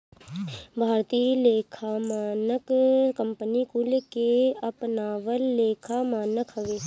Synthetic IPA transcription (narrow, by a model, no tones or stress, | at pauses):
bʱaːɾt̪iːleːkʰamaːnəkkə̃mpənikulekeɐpnaːʋəlːeːkʰamaːnəkʰɦɐʋeː